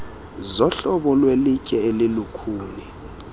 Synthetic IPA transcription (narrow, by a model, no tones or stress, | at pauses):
zɔɬɔɓɔlwelicʼɛelilukʰuːni